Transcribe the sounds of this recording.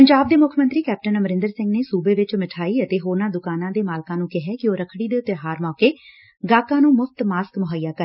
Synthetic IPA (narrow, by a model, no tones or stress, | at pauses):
pəɲd͡ʒaːb̚d̪eːmʊkʰmənt̪ɾiːkɛːp̚ʈənəməɾɪ̃nd̪əɾsɪ̃ŋɡneːsuːbeːʋɪt͡ʃmɪʈʰaːiːət̪eːɦoːnãːd̪ʊkaːnãːd̪eːmaːlkãːnũːkɪɦɛːkɪoːɾəkʰɽiːd̪eːʊt̪ːeːɦaːɾmɔːkeː | ɡaːkãːnũːmʊpʰt̪maːskmʊɦaijaːkəɾ